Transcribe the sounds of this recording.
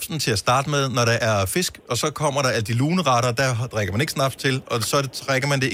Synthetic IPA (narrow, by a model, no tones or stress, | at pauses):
sn̩t͡sʰe̝læsd̥ɑ̈ːd̥əmeð̞ˠnɒɾ̥ɑ̈ʔæɐfe̝sɡ̥ɒ̽sɒ̽kʰɒ̽m̰ɐɾɑ̈æləd̥iluːnəʁɑɾ̥ɐd̥æd̥ʁaɡ̥ɐmæne̝ɡ̥snɑ̈b̥d̥t͡sʰe̝lɒ̽sɒ̽d̥ʁaɡ̥ɐmænd̥e̝